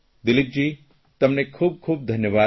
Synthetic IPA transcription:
d̪ɪlik̚d͡ʒi | t̪ɐmnekʰuːb̚kʰuːb̚d̪ʱɐnjəβaː

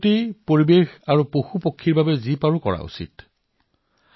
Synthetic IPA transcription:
tipoɹibexaɹupoxupokʰːiɹbabɛzipaɹukɔ̰ɹa̰ṵsḭt

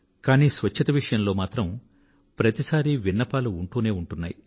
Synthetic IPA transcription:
kaːniːsʋɐt͡ʃʰːɐt̪ɐʋiʂɐjɐmlo̞ːmaːt̪ɾɐm | pɾɐt̪isaːɾiʋinːɐpaːluːɳʈuːne̞ːuɳʈunːa̰ːji

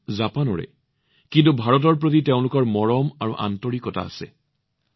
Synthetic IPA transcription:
zapanɔɹɛ̰ | kintubʱaɹɔt̬ɔɹp̬ɹot̬iteʊ̃lʊkɔɹmɔɹɔmaɹuʔa̰ntɔɹikɔta̰ːsɛ̰

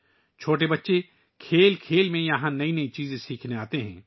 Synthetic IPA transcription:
t͡ʃʰoːʈ̬ebɐtːʃe | kʰeːlkʰeːlmẽjɐɦãnɐinɐit͡ʃiːzẽsiːkʰneaːt̪eɦɛ̰̃ː

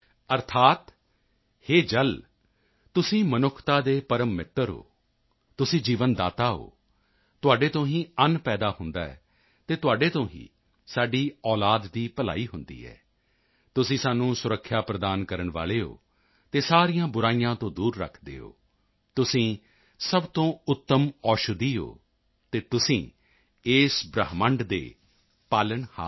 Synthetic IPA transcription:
əɾt̪ʰaːt̪ | heːd͡ʒəl | t̪ʊsĩːmənʊkʰt̪aːd̪eːpəɾəmːɪt̪ːəɾɦo̰ː | t̪ʊsĩːd͡ʒiːʋənd̪aːt̪aːɦo̰ː | t̪ʊaːɖeːt̪õːɦĩːənpɛːd̪aːɦʊnd̪a̰ːɛ̰ː | t̪eːt̪ʊaːɖeːt̪õːɦḭ̃ː | saːɖiːɔːlaːd̪ːiːpəla̰ːiːɦʊnd̪ḭːɛ̰ː | t̪ʊsĩːsaːnːũːsʊɾəkʰːjaːpɾəd̪aːnkəɾəɳʋa̰ːleːo̰ː | t̪eːsaːɾiːjãːbʊɾaːijãːt̪õːd̪uːɾːə̰kʰd̪ḛːo̰ː | t̪ʊsĩː | səbt̪õːʊt̪ːəmɔːʃʊd̪iːo̰ː | t̪eːt̪ʊsĩː | eːsbɾəɦməɳɖd̪ḛː | paːlənha̰ː

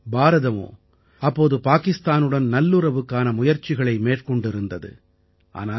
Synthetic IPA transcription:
baːɾɐðɐmo̰ː | ɐpːoːðɯpaːkɪst̪aːnɯɽɐnnɐlːɯɾɐʋɯkːaːnɐmʊjɐɾt͡ʃɪɣɐɭɐɪmeːʈkɔɳɖɪɾɯnd̪ɐðɯ̰ | ʔa̰ːnaː

